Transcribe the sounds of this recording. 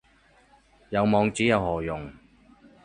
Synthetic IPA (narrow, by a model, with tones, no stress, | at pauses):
jɐ˨˧wmɔː˨˧ŋt͡siː˨˥jɐ˨˧whɔː˨˩jʊ˨˩ŋ